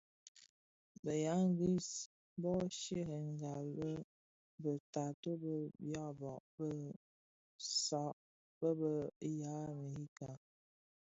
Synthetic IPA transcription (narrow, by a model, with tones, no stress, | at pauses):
bə˨ja˨˦ŋ˦ɡi˦s | bɔ˦ʃe˦ɦə˨ŋ˦ɡa˨lbə˦ | bə˨ta˨to˦bə˦bjɔ˦˨bɔ˨ʔbə˦ | sɔ˨˦ʔ | bə˦bə˨˦ja˨˦mə˨hi˦ka˨